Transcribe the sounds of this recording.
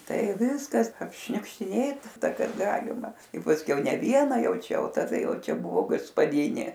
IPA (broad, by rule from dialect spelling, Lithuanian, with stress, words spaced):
ˈtɐɪ ˈʋʲɪskɐs ɐpʲʃʲnʲʊkʃʲtʲɪˈnʲeːtɐ ˈtɐs ˈkɑːˈɡɑːlʲɪmɐ ɪ pɐsʲˈkʲɛʊ nʲɛ ˈʋʲiɛnɐ ˈjɛʊ ˈt͡ʃʲɛ ˈjɛʊ tɐˈdɐ ˈjɛʊ ˈt͡ʃʲɛ ˈbʊʋoː ɡɐspɐˈdʲɪnʲeː